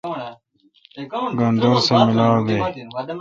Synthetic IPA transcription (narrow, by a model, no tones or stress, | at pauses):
ɡand̪oːɾsemɪlaːwɡej